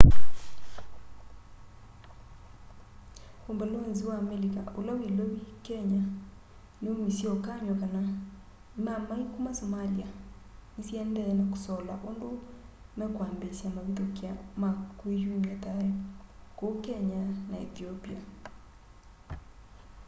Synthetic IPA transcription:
hombeloenziwaːmelikaolawilowikɛɲa | neomisjiɔkaɲɔkana | mamaikomasomaliaisjɛndɛnako̥sɔla̰ʔondomɛkwambesjamaβitokjamakːwejumiataɛkokɛɲanaɛ̰θiopia

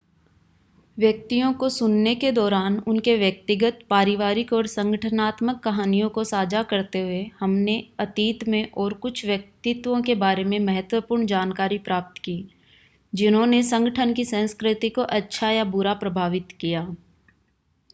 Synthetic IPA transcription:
ʋjək̚t̪ijõkosʊnːeked̪ɔːɾaːnʊnkeʋjək̚t̪ɪɡət̪̚paːɾɪʋaːɾɪkɔːɾsə̃ŋɡəʈʰənaːt̪məkːɐɦaːnijõkosaːd͡ʒakɐɾt̪eɦʊehɐmneɐt̪iːt̪mẽʔɔːɾkʊt͡ʃʰʋjɐk̚t̪ɪt̪wõkebaːɾemẽmɐɦət̪wəpuːɾɳd͡ʒaːnkaːɾipɾaːp̚t̪kiː | d͡ʒɪnɦõnesə̃ŋɡəʈʰənkisə̃ːskɾɪt̪ikoʔɐtːʃʰajabʊɾapɾɐbʱaːʋɪt̪kijaː

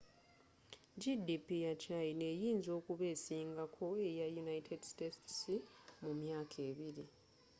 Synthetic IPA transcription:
ɟidipijacaine̞jiːnzo̞ːkuβe̞ːsiːŋɡakʰo̞e̞jajunaitʰedistetsimumjaːkʰe̞ːβiɾi

